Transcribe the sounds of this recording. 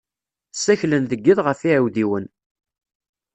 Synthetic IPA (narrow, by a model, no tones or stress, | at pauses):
sːæçlənðəɡːiðʁəfiʕawðiwən